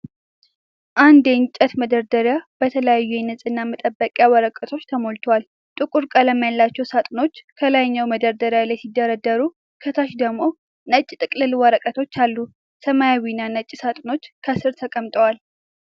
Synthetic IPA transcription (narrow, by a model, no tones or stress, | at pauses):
ʔand̪ent͡ʃʼət̪məd̪əɾd̪əɾjab̥ət̪ʰələjajːujɛnːɨsʼɨnːamət̪ʼəbːəkʼjawəɾəkʼət̪ʰo̞t͡ʃːt̪ʰəmo̞lt̪ʰowal | t̪ʼɨkʼuɾkʼələmːijalːat͡ʃːɛwsat̪ʼno̞t͡ʃːkʰəlajɲːawməd̪əɾd̪əɾjalajsid̪ːəɾəd̪ːəɾu | kʰət̪ʰaʃd̪əɡmo̞ | nət͡ʃʼːt̪ʼɨkʼlɨlwəɾəkʼət̪ʰo̞t͡ʃːalːu | səmajawinːanət͡ʃʼːisat̪ʼno̞t͡ʃːkʰəsɨɾt̪ʰəkʼəmt̪ʼəwal